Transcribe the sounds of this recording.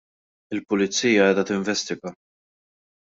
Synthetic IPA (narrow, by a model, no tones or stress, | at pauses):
ɪlpʊlɪt͡sːiːjɐɛːd̪ɐt̪ɪɱvɛst̪ɪɡɐ